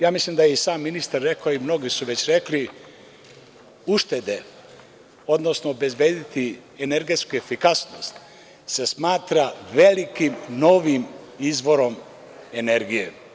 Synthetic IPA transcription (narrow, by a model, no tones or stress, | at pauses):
jaːmislimd̪ajeisaːmːinist̪aɾːe̞kaoimno̞ɡisuʋe̞t͡ɕɾe̞kli | uʃt̪e̞d̪e | o̞d̪no̞snoːbe̞zbeːd̪it̪i | eneɾɡe̞t̪skuefikasnost̪ | sesmaːt̪ɾaʋe̞likimno̞ʋim | izʋo̞ɾo̞m | e̞ne̞ɾɡije